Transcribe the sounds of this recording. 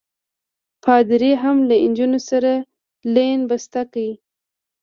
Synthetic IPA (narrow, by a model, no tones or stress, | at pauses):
pʰɑd̪ɪɾeɦamlaɪnd͡ʒunosaɾa | lenbast̪akawi